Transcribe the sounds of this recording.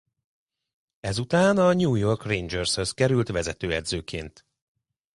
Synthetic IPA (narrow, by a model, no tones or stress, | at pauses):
ɛzut̪aːnɒɲuːjo̞rkrejnd͡ʒørshø̞skɛɾylt̪ʋɛzɛt̪øːɛd̪zøːkʰeːnt̪